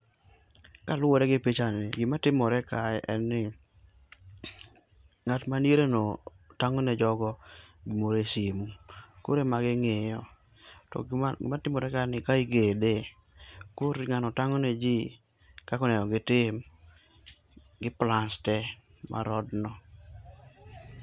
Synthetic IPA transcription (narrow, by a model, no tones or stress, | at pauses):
kalʊwɔdɛɡɪpit͡ʃanɪɡɪmatɪmɔɾɛkaɛʔɛnːɪ | ŋatmaneɾeno | taŋɔned͡ʒɔɡɔɡimoɾesimuko̰ɾemaɡɪŋɪjɔ | tɔ̰ɪ̰matɪmɔɾɛkanɪkaiɡede | koɾɪŋanɔtaŋɔned͡ʒi | kakɔnɛnɔɡɪtɪm | ɡɪplanstɛ | mʔa̰ɾɔdnɔ